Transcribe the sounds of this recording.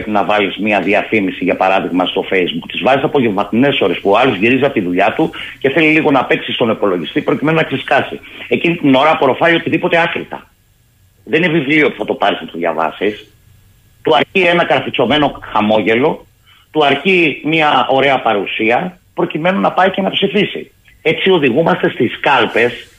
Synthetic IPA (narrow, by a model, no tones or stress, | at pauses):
epinɐvɐlizmiɐðiɐθimisiʝɐpɐɾɐðiɣmɐst̪o̞fe̞jzbukt̪izvɐzisɐpo̞ʝevmɐt̪ine̞so̞ɾe̞spuoɐlo̞zʝiɾiziɐp̚t̪iðuʎɐt̪uce̞θe̞liliɣo̞nɐpe̞ksist̪o̞nepo̞lo̞ʝist̪ipɾo̞cime̞nonɐkseskɐsḭe̞cinit̪ino̞ɾɐpoɾo̞fɐjio̞t̪iðipo̞t̪e̞ɐkɾḭt̪ɐ̰ | ðe̞ninevivlio̞pu̥θɐt̪o̞pɐɾismet̪uðʝɐ̰vɐ̰sis | t̪uɐɾcie̞nɐkɐɾfit͡so̞me̞no̞xɐmo̞ʝe̞lo̞ | t̪uɐɾcimɐʔo̞ɾe̞ɐpɐɾusiɐ | pɾo̞cime̞nunɐpɐice̞nɐpsifisḭ | e̞t͡sio̞ðiɣumɐst̪e̞st̪iskɐlpe̞s